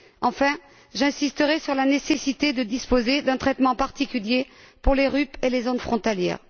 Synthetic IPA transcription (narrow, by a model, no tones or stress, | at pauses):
ɑ̃fɛ̃ | ʒɛ̃sist̪əʁɛsyʁlanesesit̪ed̪əd̪ispozed̪ɛ̃t̪χɛt̪mɑ̃paʁt̪ikʲylje | puʁleʁypelezonfχɔ̃t̪aljɛ̰ːʁ